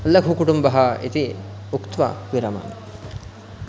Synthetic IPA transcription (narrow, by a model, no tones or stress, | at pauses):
ɐlːɐkʰukuʈumbɐɦaʔḛt̪i | ukt̪ʋɐ̰ʋiɾɐma̰n